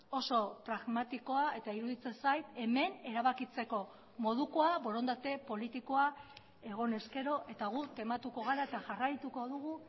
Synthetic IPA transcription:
o̞so̞pɾaɣmat̪iko̞ae̞t̪aiɾuðit͡sensajt̪e̞me̞ne̞ɾaβakit͡se̞ko̞ | mo̞ðuko̞aβo̞ɾo̞nd̪at̪e̞po̞lit̪iko̞a | e̞ɣ̞o̞ne̞ske̞ɾo̞ʔe̞t̪aɣ̞ut̪e̞mat̪uko̞ɣ̞aɾae̞t̪aʝarajt̪uko̞ðuɣu

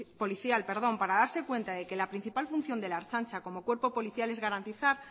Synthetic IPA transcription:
po̞liθjalpe̞ɾð̞o̞mpaɾaðaɾse̞kwe̞nt̪aðe̞ke̞lapɾin̟θipalfun̟θjo̞nd̪e̞laɾt͡ʃant͡ʃako̞mo̞kwe̞ɾpo̞po̞liθjale̞zɣaɾant̪iθaɾ

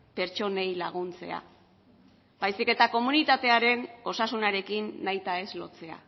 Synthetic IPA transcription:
pe̞ɾt͡ʃo̞ne̞jlaɣ̞unt͡se̞̰a̰ | bajsike̞t̪ako̞munit̪at̪e̞aɾe̞no̞sasunaɾe̞kinːajt̪ae̞zlo̞̰t͡se̞a̰

